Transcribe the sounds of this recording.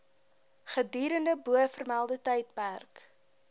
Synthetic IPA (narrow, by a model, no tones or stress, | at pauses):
χədiːɾəndəbuəfərmælˠdətɛjt̚pærk